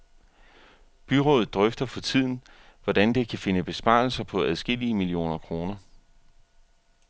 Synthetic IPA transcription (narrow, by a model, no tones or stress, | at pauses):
b̥yʁo̰ːð̩ˠd̥ʁœfd̥ɐfʰɒ̽t͡sʰið̰ˠn̩ | ʋɒd̥ænd̥e̝kʰæfe̝nəb̥e̝sb̥ɑ̰̈ːl̩sɐpʰɒ̽æðˠsɡ̥e̝l̰iəmilio̝̰ːnɐkʰʁo̝ːnɐ